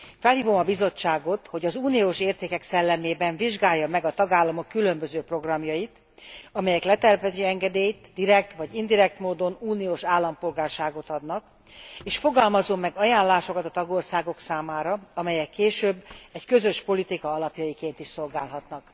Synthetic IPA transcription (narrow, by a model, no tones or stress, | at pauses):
fɛlhiːvo̞mɒbizo̞t͡ʃːaːɡo̞t̪ho̞ɟɒzuːnijoːʃeːrt̪eːkɛksɛlːɛmeːbɛɱviʒɡaːjːɒmɛɡɒt̪ɒɡaːlːɒmokːylø̞mbøzøːpro̞ɡrɒmjɒjit̪ | ɒmɛjɛklɛt̪ɛrpɛziɛŋɡɛd̪eːjt̪d̪iɾɛk̚t̪ʋɒɟind̪iɾɛk̚t̪moːd̪o̞nuːnioːʃaːlːɒmpo̞lɡaːrʃaːɡot̪ɒd̪nɒk | eːʃfo̞ɡɒlmɒzo̞mːɛɡɒjaːnlːaːʃo̞kɒt̪ɒt̪ɒɡo̞rsaːɡo̞ksaːmaːɾɒɒmɛjɛkːeːʃøːbːɛckø̞zøʃpo̞lit̪ikɒɒlɒpjɒjikeːnt̪iʃso̞lɡaːlɦɒt̪nɒk